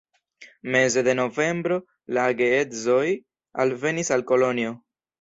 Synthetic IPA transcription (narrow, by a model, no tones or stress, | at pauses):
me̞ze̞d̪e̞no̞ve̞mbɾo̞ | laɡe̞ezo̞j | alve̞nisalko̞lo̞nio̞